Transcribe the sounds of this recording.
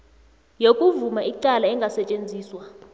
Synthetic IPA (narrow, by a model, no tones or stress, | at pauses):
jokʼuvumaiǃalaɛŋɡʱasɛt͡ʃʼend͡zʱiːswa